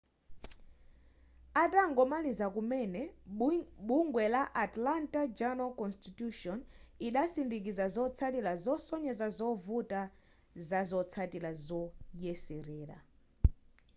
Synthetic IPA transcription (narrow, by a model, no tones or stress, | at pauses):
atʼaŋɡɔmalizakumɛnɛ | ɓuŋɡwɛlaʔatlantʼad͡ʒanalkɔnstituʃɔniɗasindik̬izazɔt͡sʰatilazɔsɔɲɛzazɔvutʼa | zazɔt͡sʰatilazɔjɛsiɾɛːɾa̰